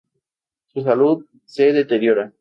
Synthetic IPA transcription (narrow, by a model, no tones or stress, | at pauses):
sus̬aluð | seðet̪eɾjo̞ɾa